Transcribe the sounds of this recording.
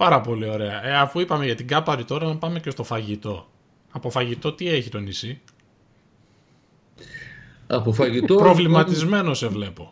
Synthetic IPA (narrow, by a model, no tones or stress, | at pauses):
pɐɾɐpo̞lio̞ɾe̞ɐeɐfuipɐme̞ʝɐt̪iɡɐpɐɾit̪o̞ɾɐnɐpɐme̞cest̪o̞fɐʝit̪o̞ | ɐpo̞fɐʝit̪o̞t̪ie̞çit̪o̞nisi | ɐpofɐʝit̪opɾo̞vlimɐt̪izme̞no̞se̞vle̞po̞